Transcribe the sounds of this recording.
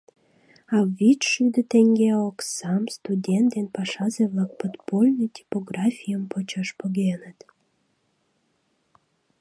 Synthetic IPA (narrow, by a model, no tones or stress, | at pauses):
ɑvit͡ʃʃyd̪ət̪eŋɡeoksɑmst̪udʲent̪̚d̪enpɑʃɑzeβlɑk̚pot̪polʲnijt̪ʲi̥poɡrɑfʲijəmpot͡ɕɑʃpoɣenət̪